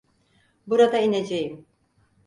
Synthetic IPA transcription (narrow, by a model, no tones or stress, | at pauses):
buɾad̪ained͡ʒejim